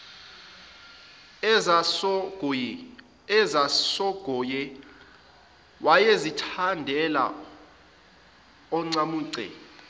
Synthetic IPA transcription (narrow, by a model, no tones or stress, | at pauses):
ɛzasɔɡ̥ʱɔjɛ | wʔajezitʰandʱɛla̰ | ɔŋ͡ǀamuːǀɛ̰